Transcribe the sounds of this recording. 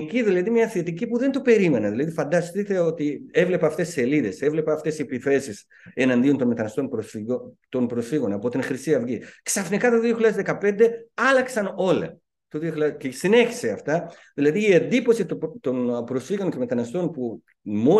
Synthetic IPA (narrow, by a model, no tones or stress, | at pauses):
ciðilɐðimɲɐθet̪icipuðe̞nt̪ope̞ɾime̞nɐðilɐðifɐnd̪ɐst̪it̪e̞o̞t̪ie̞vle̞pɐːft̪e̞sːe̞liðe̞se̞vle̞pɐːft̪e̞sepiθe̞sis | e̞nɐnd̪io̞nt̪o̞nme̞t̪ɐnɐst̪o̞npɾosfiot̪o̞npɾo̞sfiɣo̞nɐpo̞t̪inxɾisiɐvʝiksɐfnikɐt̪oðioçlʲɐðezðe̞kɐpe̞nd̪e̞ɐlɐksɐno̞lɐ̰ | t̪oðioçlɐcesine̞çi̥seɐft̪ɐ | ðilɐðiːend̪ipo̞sit̪t̪o̞npɾosfiɣo̞nce̞me̞t̪ɐnɐst̪o̞npu | mo̞